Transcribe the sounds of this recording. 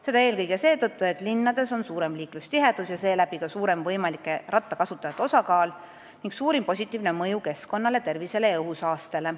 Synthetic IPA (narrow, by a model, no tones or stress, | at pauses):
se̞d̪ɑe̞ːlkɤjɡese̞ːt̪ɤt̪ːˑue̞t̪ːˑlinːɑd̪̥e̞so̞nsuːɾe̞mliːklust̪iɦed̪̥usjɑse̞ːlæb̥ikɑsuːɾe̞mvɤjmɑlikːˑe̞rɑt̪ːˑɑkɑsut̪ˑːɑjɑt̪ːo̞sɑkɑːl | niŋɡsuːɾimpo̞s̬ʲit̪ːˑiːvne̞mɤjuke̞sko̞nːɑle̞t̪e̞rvise̞le̞jɑɤɦusɑːst̪ele̞